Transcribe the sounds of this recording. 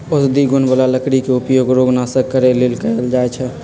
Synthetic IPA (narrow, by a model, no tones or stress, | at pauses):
osd̪iɡunbəlaləkɾikeupjoɡɾoɡnasəkkːəɾelelkəld͡ʒaet͡ʃʰɛ